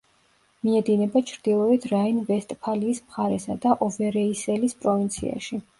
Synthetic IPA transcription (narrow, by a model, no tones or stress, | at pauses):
miɛd̪inɛbat͡ʃʰɾd̪̥ilˠɔɛt̪ʰɾainvɛst̪ʼpʰaliːsmχaɾɛsad̪aʔɔvɛɾɛisɛlispʼɾɔvint̪sʰḭa̰ʃi